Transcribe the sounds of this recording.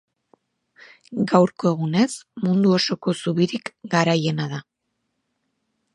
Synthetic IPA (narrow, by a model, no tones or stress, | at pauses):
ɡawɾko̞e̞ɣ̞une̞smund̪uo̞so̞ko̞suβiɾikɡaɾaje̞naða